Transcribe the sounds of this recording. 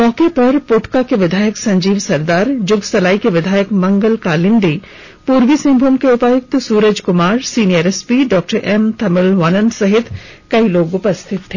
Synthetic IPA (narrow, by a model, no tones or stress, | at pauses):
mɔːkepɐɾpoːʈkakeʋɪd̪ʱaːjəksɐ̃ɲd͡ʒiːʋsɐɾd̪aːɾd͡ʒʊɡsɐlaːikeʋɪd̪ʱaːjəkmɐ̃ŋɡəlkaːlɪ̃nɖ̪iː | puːɾʋisɪ̃mbʱomkeʊpaːjʊk̚t̪suːɾəd͡ʒkʊmaːɾsiːnieːɾespiɖɔːk̚ʈəɾʔɛːmt̪ʰɐmɪlʋaːnənsɐɦɪt̪ʰkɐiloːɡʊpəst̪ʰɪt̪ʰːeː